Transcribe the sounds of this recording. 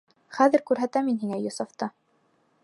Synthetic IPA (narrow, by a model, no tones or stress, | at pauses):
χæðɘ̆ɾkʉɾɦæt̪æminɦiŋæjŏsɑft̪ɤ